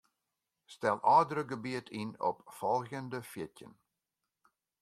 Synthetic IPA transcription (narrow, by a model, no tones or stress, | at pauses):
stɛlˠʔɑːdəɾəɡəbiətʰinɔ̰pfɔlˠɣjəndəfjɪtjə̰n